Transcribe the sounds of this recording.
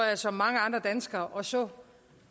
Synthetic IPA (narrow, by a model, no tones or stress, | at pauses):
jasɒ̽mːɑ̈ŋəɑ̈nd̥ʁɐd̥ænsɡ̥ɐːʔɒ̽sɒ̽